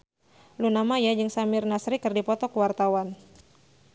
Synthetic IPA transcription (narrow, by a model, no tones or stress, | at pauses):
lunamajad͡ʒɨŋsamɪrnasɾikɨrdipɔt̪ɔkəwart̪awan